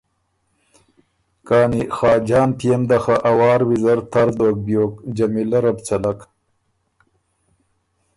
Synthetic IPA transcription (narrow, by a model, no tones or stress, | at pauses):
kɑːnixɑːd͡ʒɑːnt̪ijemd̪axaʔawɑːɾwizɐɾt̪ʰaɾd̪oːk̚bjoːkd͡ʒɐmilɐɾɐbt͡salak